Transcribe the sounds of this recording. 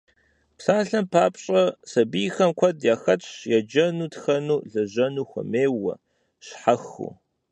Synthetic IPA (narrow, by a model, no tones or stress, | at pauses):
psaːɬɐmpʰaːpɕʼɐsɐbijxɐmkʷʰɐdjaːxɐt͡ʃʼjad͡ʒɐnuːtxɐnuːɮɐʑɐnuːxʷɐ̰meːwɐ̰ | ɕħaxṵ